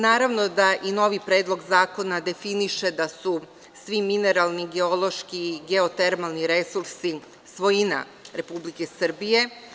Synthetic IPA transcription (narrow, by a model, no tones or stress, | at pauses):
naːɾaʋno̞d̪aʔino̞ʋipɾe̞ːd̪lˠo̞ɡzaːko̞nad̪e̞finiʃe̞d̪asu | sʋimine̞ɾalˠniɡe̞o̞lˠo̞ʃkiːɡe̞ot̪e̞ɾmalˠniɾe̞suɾsi | sʋo̞jina̰ | ɾe̞publike̞sr̩bije̞